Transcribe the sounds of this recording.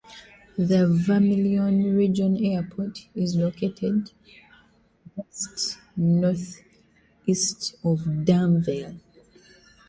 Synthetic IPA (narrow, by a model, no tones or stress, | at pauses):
ðəvamiliɔ̃nɹid͡ʒɔ̃nɛpʰɔtizlokʰetʰɛd | wɛst | nɔθ | istɔvdãnvɛl